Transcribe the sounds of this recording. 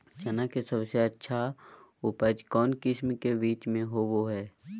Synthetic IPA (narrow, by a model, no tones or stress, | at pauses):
t͡ʃɐnakesɐbseətːʃʰaʊpəd͡ʒkɔːnkɪsmkebiːt͡ʃmẽɦoʋoɦɛː